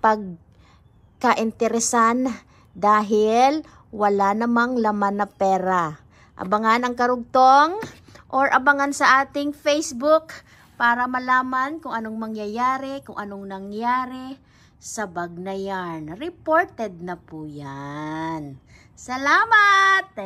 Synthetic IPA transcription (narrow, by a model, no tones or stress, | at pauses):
pɐɡ̚ | kɐʔɪnt̪ɛɾɛsan | d̪aːɦɪl | wɐlanɐmaŋlɐmanːɐpɛːɾa | ʔɐ̰bɐŋanɐŋkɐɾʊɡ̚t̪oŋ | ʔoɹʔɐbɐŋansɐʔaːt̪ɪŋfejsbʊk | paːɾɐmɐlaːmankʊŋɐnoŋmɐŋjajaːɾɛkʊŋʔɐnoŋnɐŋjaːɾɛ | sɐbɐɡ̚nɐjanɾɛpoɹt̪ɛd̪̚nɐpujan | sɐlaːmat̪̚